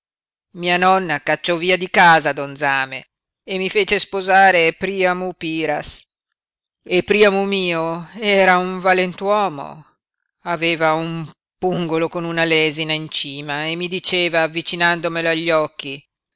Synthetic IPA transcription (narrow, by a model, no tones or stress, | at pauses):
miːanɔnːakat͡ʃːɔviːad̪ikaːzad̪ond̪zaːmḛː | mːifeːt͡ʃespozaːɾepɾiːamupiːɾa̰s | epːɾiːamumiːoɛːɾauɱvalent̪wɔːmo̰ | aveːvaum | puŋɡolokonunalɛːzinaint͡ʃiːmaemːid̪it͡ʃeːvaːvːit͡ʃinand̪omeloaʎːɔkːi